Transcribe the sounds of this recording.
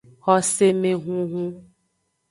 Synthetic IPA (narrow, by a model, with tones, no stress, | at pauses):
xɔ˦se˦mẽ˨ɦũ˦ɦũ˦